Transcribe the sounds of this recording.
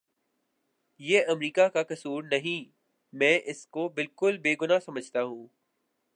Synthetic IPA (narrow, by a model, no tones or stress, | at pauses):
jeːʔɐmɾiːkakakɐsuːɾnɐɦĩ | mɛ̃ːʔɪskobɪlkʊlbeːɡʊnasɐməd͡ʒʱt̪aɦũː